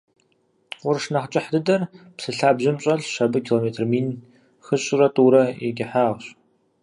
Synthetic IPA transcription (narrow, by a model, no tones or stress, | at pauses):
qʷʊrʂnɐχt͡ʃʼɪħdɨdɐrpsɨɬaːbʑɪmɕʼɐɮʃɐbɨkʰiːloːmeːtʰrmiːn | xɨɕʼrɐtʼuːɾɐḛɡʲɪħaːʁɕʼ